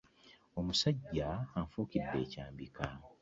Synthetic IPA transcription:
omusaɟːaaɱfuːkidːe̞ːcaːmbika

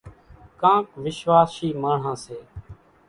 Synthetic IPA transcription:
kãːkʋɪʃʋaːsiːmaːɳ̤ãːseː

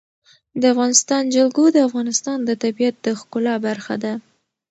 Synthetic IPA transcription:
d̪əafɣɑnɪst̪ɑnd͡ʒalɡod̪əafɣɑnɪst̪ɑnd̪ət̪abijat̪̚d̪əxkʊlɑbaɾxad̪a

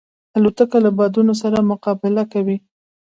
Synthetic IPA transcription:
alot̪akalabɑd̪unos̬aɾamʊqɑbɪlakawi

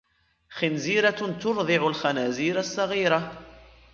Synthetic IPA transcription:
xɪnziːɾat̪ʊɾˤðˤɪʕʊlxanæːziːɾasˤːɑɣiːɾa

